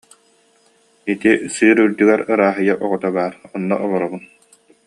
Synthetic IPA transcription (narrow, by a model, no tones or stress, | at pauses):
it̪isɯːɾyld̪yɡɛɾɯɾaːɦɯjaʔɔʁɔt̪abaːɾɔnːɔ̰ʔɔlˠɔɾɔbun